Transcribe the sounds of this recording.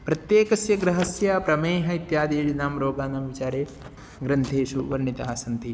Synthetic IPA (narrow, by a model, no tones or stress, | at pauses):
pɾɐt̪jeːkɐsjɐɡɾɐɦɐsjɐpɾɐmeːɦɐit̪jaːd̪eːɾinaːmɾoːɡaːnamʋit͡ʃaːɾeː | ɡɾɐnt̪ʰeːʃuʋɐɾɳit̪aaːsɐnt̪i